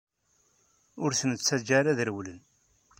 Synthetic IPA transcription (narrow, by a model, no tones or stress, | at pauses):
ʊɾθənət͡sːæd͡ʒæɾæðəɾwlən